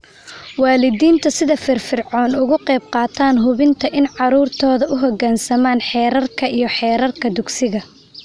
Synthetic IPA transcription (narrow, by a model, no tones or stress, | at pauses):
wɑːlɪðiːnt̪ʰɐsɪðɐfɪrfɪrʕɔːnʊɣʊqɛjb̚qɑːt̪ʰaːnɦʊβɪnt̪ʰɐʔɪnʕɑɾuːrt̪ʰɔːðɐʊɦɔɡaːnsɐmaːnħɛːɾɐrkʰɐijɞħɛːɾɐrkʰɐd̪ʊɡsɪɣɐ